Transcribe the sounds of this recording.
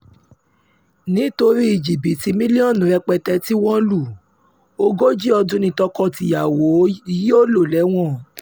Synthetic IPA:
nĩ˨˦to˧ɾi˦i˨d͡ʒi˨bi˨ti˧mĩ˦li˦ɔ̃˦˨nũ˨ɾɛ˧k͡pɛ˧tɛ˧ti˦w̃ɔ̃˦lu˦˨ | o˧˦ɡo˦d͡ʒi˦ɔ˧dũ˦nĩ˧tɔ˧kɔ˦˨ti˧˨ja˨wo˨˦ji˦o˦lo˦˨lɛ˨˦w̃ɔ̃˦˨

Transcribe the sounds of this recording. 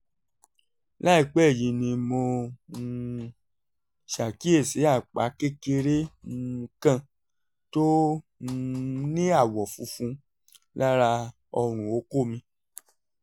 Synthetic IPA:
la˦i˦˨k͡pɛ˦˨jĩ˧nĩ˧mo˧˦ | ʃa˨ki˦e˦˨se˨˦a˦˨k͡pa̰˨˦ke˦ke˧ɾe˦mũ˧kã˦˨ | to˦˧ | nĩ˦a˦˨wɔ˨fũ˨˧˦fũ˧ | la˦ɾa˧ | ɔ˧ɾ̃ũ˨o˧˦ko˦˨mĩ˧

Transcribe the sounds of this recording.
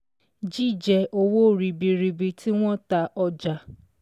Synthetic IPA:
d͡ʒi˦˨d͡ʒɛ˧ʔo˧wo˦˨ɾi˧bi˧ɾi˧bi˧ti˦w̃ɔ̃˦ta˧ʔɔ˧d͡ʒa˨˧

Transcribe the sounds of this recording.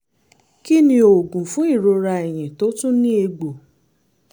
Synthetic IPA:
ki˦nĩ˧˦o˨ɡũ˨fũ˨˦i˦˨ɾo˧ɾa˧e˨j̃ĩ˨to˨˦tũ˦nĩ˦e˧ɡ͡bo˨

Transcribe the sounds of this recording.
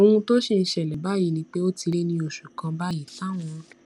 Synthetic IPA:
o˧wũ˧to˦ʃe˧n̩˦ʃɛ˦˨lɛ˨ba˨˦ji˨˦nĩ˧˦k͡pe˦o˦ti˧le˦nĩ˧o˨ʃu˨kã˧ba˦ji˨fa˦w̃ɔ̃˧˦

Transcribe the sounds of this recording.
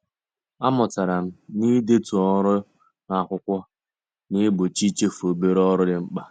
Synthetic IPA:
a˦mʊ˨ta˨ɾa˨m̩˦ni˦de˦tu˨ɔ˦ɾʊ˦ | na˨kʷʊ˦kʷɔ˦ | nɪ˦bʊ˨t͡ʃi˦t͡ʃe˦fu˨o˨be˦ɾɔ˦ɾʊ˦dɪ˨ŋ͡m̩˦k͡pa˦

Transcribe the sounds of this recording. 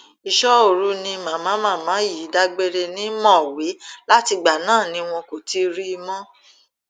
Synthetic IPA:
i˨ʃɔ˦o˨ɾu˦nĩ˧mã˨mãː˨˦mã˦˨mã˨˦ji˨˦da˧ɡ͡be˧ɾe˧nĩ˦mɔ̃˦˨we˨˦la˦ti˧ɡ͡ba˨nãː˦˨nĩ˨˦w̃ɔ̃˧ko˨ti˧˦ɾi˦˧mɔ̃˦

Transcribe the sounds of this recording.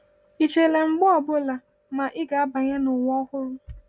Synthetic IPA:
i˨t͡ʃe˨le˨ŋ͡m̩˦ɡ͡bɔ˦ɔ˨bʊ˦la˨ | ma˨ʔɪ˦ɡa˨a˦ba˨ɲa˦nʊ˨ŋʷ˦ɔ˦hʊ˦ɾʊ˦

